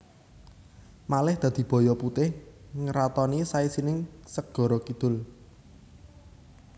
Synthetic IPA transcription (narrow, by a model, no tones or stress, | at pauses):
malɪhd̪̥ä̤d̪̥i̤b̥ɔ̤jɔput̪ɪhŋəɾat̪ɔnisaisinɪŋsək̚ɡ̥ɔ̤ɾɔkid̪̥ʊ̤l